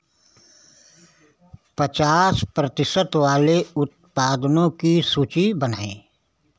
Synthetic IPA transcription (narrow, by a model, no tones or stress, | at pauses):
pət͡ʃaːspɾət̪ɪsət̪ʋaːleʊt̪̚paːd̪nõkisuːt͡ʃibəna̰ːḛ̃ː